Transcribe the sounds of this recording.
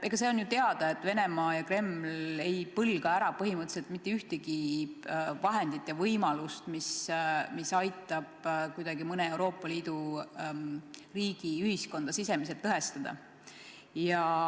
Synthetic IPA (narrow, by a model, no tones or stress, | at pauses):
ʔeɡ̥ɑse̞o̞njut̪e̞ɑd̪̥ɑe̞t̪ːˑve̞ne̞mɑːjɑkre̞mle̞jpɤlɡ̥ɑæɾɑpɤɦimɤt̪ːˑe̥selt̪mit̪ːˑe̞yht̪eɡ̥i | vɑɦe̞nd̪̥it̪ːˑjɑvɤjmɑlust̪mismisɑjt̪ːˑɑb̥kujd̪̥ɑɡimɤne̞ewɾo̞ːpˑːɑliːd̪u | riːɡ̥iyhisko̞nd̪̥ɑsise̞mis̬e̞t̪ːɤɦe̞st̪ɑd̪̥ɑ̰ | jɑ